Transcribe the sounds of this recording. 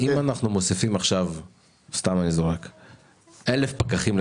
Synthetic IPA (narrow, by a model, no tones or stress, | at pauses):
imanaχnumosifimaχʃav | st̪amanizoʁek | elefpakaχiml